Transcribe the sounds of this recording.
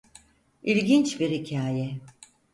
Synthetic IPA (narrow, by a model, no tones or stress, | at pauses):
ilʲɟint͡ʃbiɾhicʰaːjɛ